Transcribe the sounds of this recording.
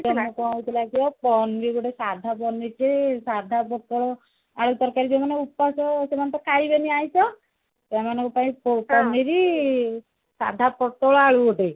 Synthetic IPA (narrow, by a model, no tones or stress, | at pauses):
t̪emɔkɔwt̪ʰilakiɔpɔnbiɡɔʈesad̪ʱapɔniʈesad̪ʱapɔt̪ɔɭɔ | aɭut̪ɔɾkaɾid͡ʒemaneupːasɔsemant̪ɔkajbeniajsɔ | semanɔ̃kupaĩpɔpɔniɾi | sa̰d̪ʱapɔt̪ɔɭɔaɭuɔʈi